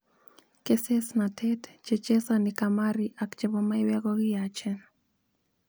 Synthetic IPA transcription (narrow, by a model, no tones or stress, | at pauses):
kɛsɛsnatʰɛtt͡ʃɛt͡ʃɛsanikamaɾiʔakt͡ʃɛβɔmaiwɛɣɔɣiat͡ʃɛn